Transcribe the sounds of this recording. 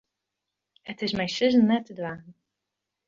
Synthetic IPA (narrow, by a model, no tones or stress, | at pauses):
ətɪsmɛjsɪzən̩nɛtːədwaːn̩